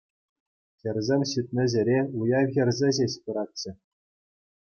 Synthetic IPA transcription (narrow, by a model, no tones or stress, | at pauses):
xʲɘ̆rʲzʲemʲɕit̪̚ʲnʲɘ̆ʑʲɘ̆ɾʲeujɑʋʲɣʲɘ̆rʲzʲĕʑeɕpɯ̆ɾɑtʲt͡ɕːɘ̆